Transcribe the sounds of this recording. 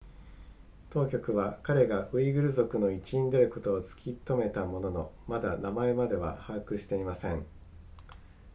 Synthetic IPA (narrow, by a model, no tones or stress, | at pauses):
t̪o̞ːkʲo̞kɯ̟βakaɾe̞ɡaɯ̟iɡɯ̟ɾɯ̟zo̞kɯ̟no̞it͡ɕiĩnd̪e̞ɾɯ̟kot̪o̞ːt͡sɨ̥kʲit̪o̞me̞t̪amo̞no̞no̞mad̪anamae̞mad̪e̞βa̰hakɯ̟ɕi̥t̪e̞imasẽ̞ɴ